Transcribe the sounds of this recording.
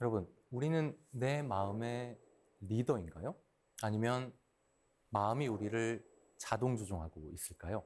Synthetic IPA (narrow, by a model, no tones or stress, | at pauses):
jʌɾʌbɯnuɾinɯnːe̞maɯme̞ | ɾidʌinɡa̰jo | aɲimjʌn | maɯmiuɾiɾɯɭ | t͡ɕadoŋd͡ʑod͡ʑoŋɦaɡois͈ɯɭk͈ajo